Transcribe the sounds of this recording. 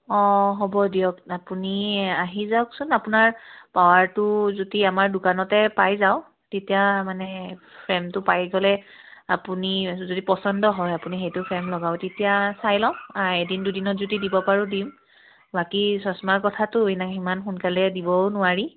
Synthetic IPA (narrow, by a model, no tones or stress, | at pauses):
ɔ̃ɦɔbɔdijɔkapuniaɦizawksʊnapʊnaɹpawaɹtʊzodiamaɹdʊkanɔtɛpajzaʊ | tetijamanɛpʰɹɛmtʊpajɡɔlɛ | apunizodipɔsɔndɔɦɔjapunixejtʊpʰɹɛmlɔɡaʊtetijasajlɔaedindudinɔtzodidibɔpaɹudim | bakisɔsmaɹkɔtʰatʊenaimanxunkalɛdibɔnʊaɹi